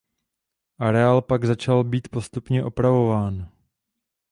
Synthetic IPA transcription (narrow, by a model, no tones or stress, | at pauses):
ʔaɾɛaːlpaɡzat͡ʃalbiːt̪po̞st̪upɲɛʔo̞pɾavo̞vaːn